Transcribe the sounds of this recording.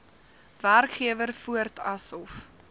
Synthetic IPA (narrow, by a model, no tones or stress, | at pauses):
værkχiəvərfuərtɐsɔf